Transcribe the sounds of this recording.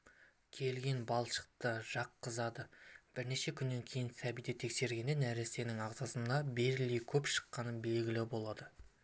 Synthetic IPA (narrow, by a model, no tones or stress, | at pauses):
kʲʰe̞lɡʲe̞nbɑlˠʃə̥q̚t̪əʒ̥ɑqːəzɑd̪əb̥ɪɾne̞ʃe̞kʲʰʏnːe̞ŋkʲʰe̞jɪnsæbijd̪et̪ʰe̞kse̞ɾɡʲe̞nenæɾese̞nɪŋɑʁzɑsənɑbe̞ɾɪlejkʲʰɵpʃə̥qːɑnəbe̞lɡʲɪlɪbo̞lˠɑd̪ə